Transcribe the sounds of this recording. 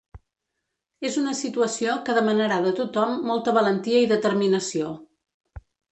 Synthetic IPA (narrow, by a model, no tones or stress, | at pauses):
ezunəsit̪uəsiokəðəmənəɾaðət̪ut̪ɔmːɔlˠt̪əβələnt̪iəiðət̪ərminəsio